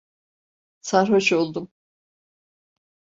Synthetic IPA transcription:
saɾɦoʃolˠd̪um

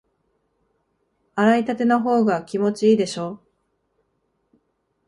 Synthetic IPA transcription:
aɾait̪at̪e̞noɦo̞ːɡakʲimo̞t͡ɕiiːd̪e̞ɕo̞ː

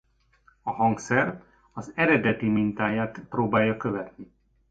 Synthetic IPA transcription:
ɒhɒŋksɛr | ɒzɛɾɛd̪ɛt̪imint̪aːjaːt̪proːbaːjːɒkø̞vɛt̪ni

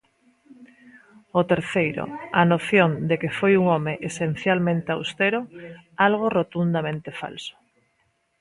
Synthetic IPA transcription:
ot̪eɾθejɾo̰anoθjond̪ekefojuŋomeʔesen̟θjalmẽnt̪eawst̪eɾoalɣ̞orot̪und̪amẽnt̪efa̰lso̥

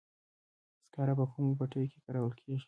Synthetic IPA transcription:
skaɾapakumopaʈəjoke̥kaɾawəlkʰeʒi̥

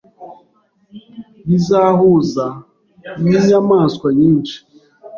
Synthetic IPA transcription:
bizaɦʊza | ɲiɲamaskʷaɲin̩t͡ʃi̥

